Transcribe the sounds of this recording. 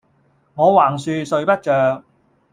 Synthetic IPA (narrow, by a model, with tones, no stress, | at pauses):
ŋɔː˨˧waː˨˩ŋsyː˧sɵ˨˧ɥpɐ˥t̚t͡ʃœː˧k̚